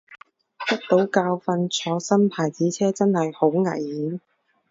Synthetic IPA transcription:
t̪ɐ˥k̚t̪o˨˥wkaː˧wfɐ˧nt͡sʰɔː˨˧sɐ˥mpʰaː˨˩jt͡siː˨˥t͡sʰɛː˥t͡sɐ˥nhɐ˨jho˨˧˥wŋɐ̰˨˩jːiː˨˥n

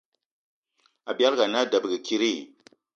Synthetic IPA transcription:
a˨bja˦ɾɡa˨na˦da˨bɡə˨ki˦ɾi˦˨

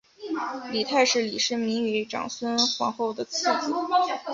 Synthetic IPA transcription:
li˨˩t̪ʰa˥˧ɪʂɻ̩˥˩li˨˩ʂɻ̩ə˥˩mi˧˥ŋɛ˧˥ʈ͡ʂɑ̰˨˩ŋswə˥nxwɑ̰˧˥ŋxo˥˩ʊd̪ə˩t͡sʰɹ̩˥˩t͡s̩˧˥˧

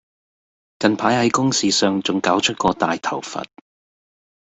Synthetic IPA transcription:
kɐ˨npʰaː˨˥jhɐ˨˥jkʊ˥ŋsiː˨˧sœː˨ŋt͡sʊ˨ŋkaː˨˥wt͡ʃʰɵ˥t̚kɔː˧t̪aː˨jt̪ʰɐ˨˩wfɐ̰˨t̚

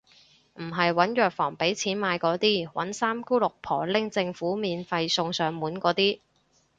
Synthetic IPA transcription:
m̩˨˩ɦɐ˨jwɐ˨˥njœː˨˩k̚fɔː˨˩ŋpe˨˥jt͡sʰiː˨˥nmaː˨˧jkɔː˨˥t̪iː˥wɐ̰˨˥nsaː˥mku˥lʊ˨k̚pʰɔː˨˩lɪ˥ŋt͡sɪ˧ŋfuː˨˥miː˨˧nfɐ˧jsʊ˧ŋsœː˨ŋmuː˨˥nkɔː˨˥t̪iː˥

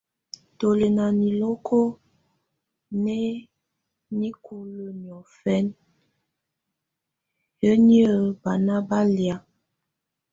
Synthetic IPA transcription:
to˨le˨na˨ni˨lo˦kʰo˦ | ne˦ | ni˦kʰu˨lə˦˨mjɔ˨fɛ˦n | jə˦ni˦ə˦˨ba˨na˦ba˦lja˦

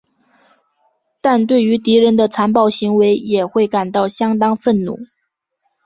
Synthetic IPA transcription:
t̪a˥˧nt̪we˥˩ɪy˧˥t̪i˧˥ɻə˧˥nd̪ə˧t͡sʰa˧˥npɑ˥˩ʊɕi˧˥ŋwe˧˥ɪjɛ˨˩xwe˥˩ɪka˨˩nt̪ɑ˥˩ʊɕjɑ˥ŋt̪ɑ˥ŋfə˥˩nnṵ˨˩˦

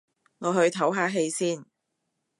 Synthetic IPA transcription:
ŋɔː˨˧ɦɵ˧ɥt̪ʰɐ˨˥wɦaː˨˧ɦe˧jsiː˥˩n

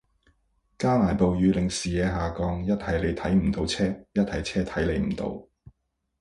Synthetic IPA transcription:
kaː˥naː˨˩npo˨wjyː˨˧lɪ˨ŋsiː˨jɛː˨˧ɦaː˨˩kɔː˨˧ŋjɐ˥t̚hɐ˨jle˨˧jt̪ʰɐ˨˥jm̩˨˩t̪o˨˥wt͡sʰɛː˥jɐ˥t̚hɐ˨jt͡sʰɛː˥t̪ʰɐ˨˥jle˨˧jm̩˨˩t̪o̰˨˧˥w

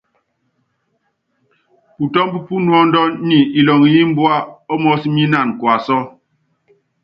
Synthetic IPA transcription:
pu˨tɔ˦m˦pu˦pu˦nwɔ˦n̩˦dɔ˦nni˨i˨lɔ˨ŋ˨ji˦m̩˦bwa˦ɔ˦mɔ˦si˦mi˦na˦˨n˨kwa˨sɔ˦

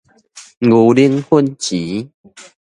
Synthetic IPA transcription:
ɡu˨˩li˦əŋhu˦˨nt͡ɕi˨˦

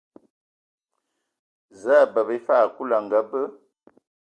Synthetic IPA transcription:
zaː˦˨bə˨bə˦fa˦˨ku˦la˨ŋ˨ɡə˨bə˦

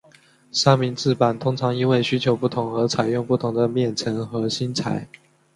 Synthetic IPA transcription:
ʂa˥ŋmi˧˥nt͡sɹ̩˥˩pa˨˩nt̪ʰʊ˥ŋʈ͡ʂʰɑ˧˥ŋi˥nwe˥˩ɪɕy˥t͡ɕʰjo˧˥ʊpu˥˩t̪ʰʊ˧˥ŋə˧˥t͡sʰa˨˩ɪjʊ˥˧ŋpu˥˩t̪ʰʊ˧˥ŋd̪ə˧mjɛ˥˩nt͡sʰə˧˥nxɤ˧˥ɕi˥nt͡sʰa̰˨˩˦ɪ

